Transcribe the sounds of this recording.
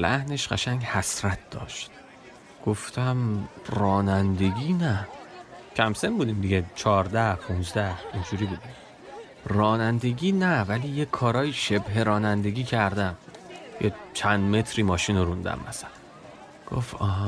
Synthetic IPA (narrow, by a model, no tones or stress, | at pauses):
læ̰hne̞ʃɢæ̰ʃæŋɡhæsɾæt̪̚ʰd̪̥ɒ̰ːʃt̪ | ɡ̥oft̪ʰæmrɒːnænd̪e̞ɡiːnæ | cʰæmsenbuːd̪iːmd̪iɟet͡ʃʰɒːɾd̪æhpʰũnzd̪æhind͡ʒuːɾiːbuːd̪im | rɒːnænd̪e̞ɡiːnævæliːjekʰːɒːɾɒːjiːʃe̞bɦe̞ɾɒːnænd̪e̞ɡiːcʰæɾd̪æmjet͡ʃʰænd̪me̞t̪ʰɾiːmɒːʃiːnoɾund̪æ̰mːʔæsælæn | ɡ̥o̰fɒːɦ